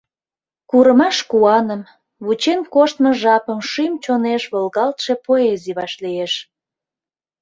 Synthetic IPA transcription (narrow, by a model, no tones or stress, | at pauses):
kuɾəmɑʃkuɑnəm | βut͡ɕenkoʃt̪mə̆ʒɑpəmʃymt͡ɕoneʃβəlɣɑlt̪ʃe̽poeziβɑʃlieʃ